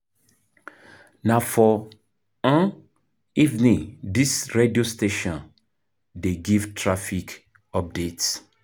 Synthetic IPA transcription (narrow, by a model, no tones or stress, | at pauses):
nafɔ | ãn | ivnĩdisɹediosteʃɔ̃n | deɡivtʰɹafik | ɔp̚dets